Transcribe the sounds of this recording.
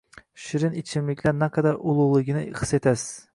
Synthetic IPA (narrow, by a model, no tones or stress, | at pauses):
ʃɪɾɪnɪt͡ʃʰɪmlɪkʲʰlaɾnaqʰɑd̪aɾʔʊlˠʊlˠɪɡʲɪnɪɪχset̪ʰas